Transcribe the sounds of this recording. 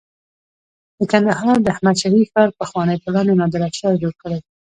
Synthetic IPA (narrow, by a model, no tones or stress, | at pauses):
d̪̥əkand̪ahɑɾd̪əahmad̪ʃaɾifxɑɾpəxwɑnəjpəlɑnonɑd̪aɾaʃɑd͡ʒoɽkəɽaj